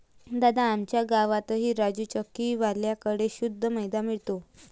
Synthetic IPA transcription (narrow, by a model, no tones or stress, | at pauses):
d̪ad̪aːmt͡ɕjaɡaʋat̪əɦiːɾad͡ʑut͡ɕəkːiːʋaljakəɽeɕud̪ʱːəməjd̪amiɭt̪o